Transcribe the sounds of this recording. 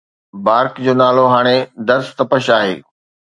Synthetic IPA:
baːɾkd͡ʑoːnaːloɦaːɽ̃ed̪ɐɾst̪ɐpəʃaːɦḛː

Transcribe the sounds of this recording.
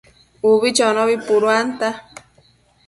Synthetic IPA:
uβit͡ʃonoβipuɾwant̪a

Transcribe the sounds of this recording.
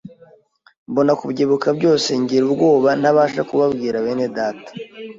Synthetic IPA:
mbo̞nakubɟeβukabɟo̞ːse̞ɲɟiɾubɡo̞ːβan̥haβaːʃakuβabɡiːɾaβe̞ːne̞daːtḁ

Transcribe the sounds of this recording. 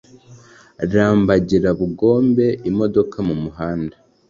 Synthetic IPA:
ɾaːmbaɟiɾaβuɡo̞ːmbe̞ʔimo̞do̞kʰamumuɦaːnda

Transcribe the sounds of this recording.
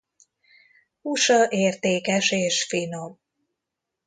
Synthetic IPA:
uʃɒʔeːrt̪eːkɛʃeːʃfinom

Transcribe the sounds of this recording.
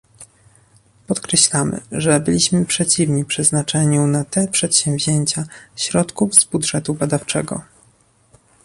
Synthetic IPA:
pɔt̪kɾɛɕlamɘ̰ʐɛbɘlʲiɕmɘpʂɛt͡ɕivɲipʂɛznat͡ʂɛɲunat̪ɛpʂɛt̪ɕɛ̃m̃vʲʑeɲt͡ɕaɕɾɔt̪kuvzbudʐɛt̪ubad̪aft͡ʂɛ̰ɡɔ̰

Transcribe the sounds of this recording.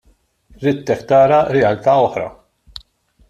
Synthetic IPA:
ɾɪt̪ːɛkt̪ɐːɾɐɾɛɐlt̪ɐːɔħɾɐ̰

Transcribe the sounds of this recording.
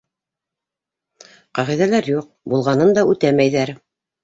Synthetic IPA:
qɑʁiðælæɾjuq̚bulˠʁɑnɤnd̪ɑʉt̪æmæjðæɾ

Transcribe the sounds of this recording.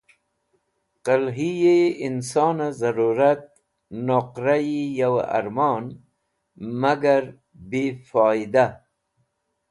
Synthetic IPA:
qalɦijeinsɑːnazaɾuɾat̪̚ | noqɾajijawa̰ɾmɑn | maɡaɾ | bifɑːid̪a

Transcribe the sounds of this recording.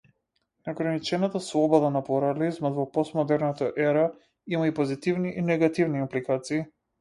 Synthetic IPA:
nɡɾanit͡ʃɛnat̪aslˠɔbɔd̪anapluɾalizmad̪vɔpɔst̪mɔd̪ɛɾnat̪aʔɛɾa | imaipɔzit̪ivniʔinɛɡat̪ivniimplikat̪siː

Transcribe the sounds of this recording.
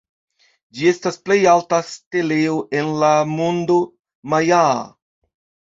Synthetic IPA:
d͡ʒie̞stasple̞jaltaste̞le̞oʔe̞nlamondo | maja

